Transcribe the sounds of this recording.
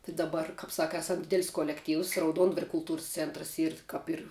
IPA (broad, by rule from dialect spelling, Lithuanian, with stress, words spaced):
tɐɪ dɐˈbɐr kɐp ˈsɑːkɐ ˈɑːsɐm ˈdʲɪdʲɛlʲsʲ koːlʲɛkˈtʲiːws rɐʊˈduɔndʋɐrʲɛ kʊlˠˈtuːrs ˈt͡sʲɛntrs ˈiːr kɐp ˈɪr